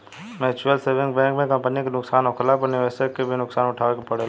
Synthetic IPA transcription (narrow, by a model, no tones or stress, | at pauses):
mɛːt͡ʃuəlseɾʋɪ̃ŋk̚bɛ̃ːŋkmẽkɐ̃mpənikenʊksaːnokʰlaːp̬əneʋɛːsekebʱinʊksaːnʊʈʰaːkepɐɽel